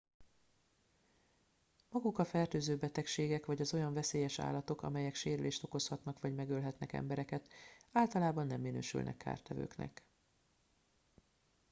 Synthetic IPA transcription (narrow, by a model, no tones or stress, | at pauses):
mɒɡukɒfɛrt̪øːzøːbɛt̪ɛkʃeːɡɛkʋɒɟɒzo̞jɒɱvɛseːjɛʃa̰ːlːɒt̪o̞kɒ̰mɛjɛkʃeːɾyleːʃt̪o̞ko̞shɒt̪nɒkʋɒɟmɛɡøːlɦɛt̪nɛkɛ̰mbɛɾɛkɛt̪aːlt̪ɒlaːbɒnːɛmːinø̰ːʃy̰lnʔɛ̰kːʰa̰ːrt̪ɛvø̰ːknɛ̰k